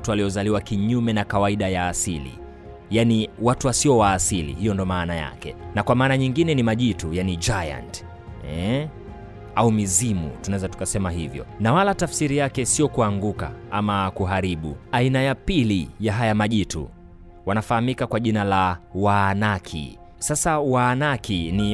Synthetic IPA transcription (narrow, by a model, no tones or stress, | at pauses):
tualiɔzaliwakiɲumɛnakawaiɗajaːsilḭ | janiwatuwasiɔwaːsilḭhijɔndɔmaːnaja̰kɛ̰nakwamaːnaɲiŋɡinɛnimaʄitujanid͡ʒaja̰nt | ɛ | aumizimṵtunawɛzatu̥kasɛmaɦivjɔ̰nawalatafsiɾijakɛsijɔkuaŋɡuka̰amakuɦaɾiɓṵainajapilijaɦajamaʄitṵ | wanafahamikakwaʄinalawanakʰḭ | sasawaːnakʰini